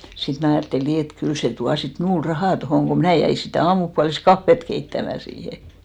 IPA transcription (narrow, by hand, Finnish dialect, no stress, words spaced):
sit mnæˑ ɑjɑˑtːeli niː et kyl se tuɑ sit mnuːl rɑhɑˑ tohoˑŋ ko mnæˑ jæi sitæˑ ɑːmupuɑliskɑfːet keitːæmæ siːhe